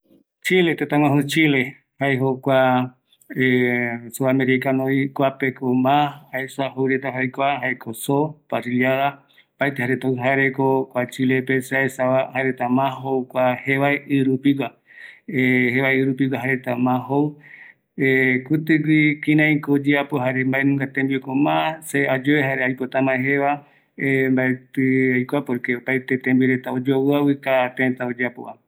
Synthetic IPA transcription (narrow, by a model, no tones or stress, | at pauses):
t͡ʃilet̪et̪ãwãɦut͡ʃile | haeɦokʷa | esoameɾiekanõikʷapekomãaesaɦowɾet̪aɦaekʷaɦaekʰosopasiljaða | paet̪ehaɾet̪aɦaeɾekokʷat͡ʃilepesaesaahaeɾet̪amãɦokʷaheβaeʔɨɾupikʷa | eheβaeɨɾup̬ikʷaɦaɾet̪amãɦow | ekut̪ɨɡwikĩnãĩkoːd͡ʒeapoɦaɾembaenũŋɡat̪ẽmbikomãsead͡ʒoβeɦaɾeajpot̪amãeɦeβa | embaet̪ɨajkʷapoɾkeopajt̪et̪ẽmbiɾet̪aod͡ʒowɨawɨkat̪ẽt̪aod͡ʒeapo̰ʔa̰